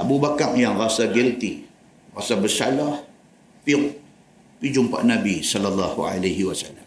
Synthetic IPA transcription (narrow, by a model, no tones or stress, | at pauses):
ʔabubakaʔ̚jaŋrasaɡɛlt̪i | rasabəsalah | pi | pid͡ʒuŋpa̰ʔnabisɔlalːahua̰laɦiwasalːam